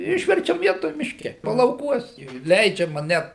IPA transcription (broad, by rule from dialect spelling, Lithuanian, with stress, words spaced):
ˈɪʃʲʋʲɛrʲt͡ʃʲɛm ˈʋʲiɛtoːj mʲɪʃʲˈkʲɛ pɐlˠɐʊˈkuɔs jɛʊ ˈlʲɛɪd͡ʒʲɛmɐ ˈnʲɛt